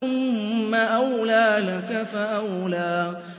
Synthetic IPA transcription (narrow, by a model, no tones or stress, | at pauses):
ʊmːaʔawlaːlakafaʔawlaː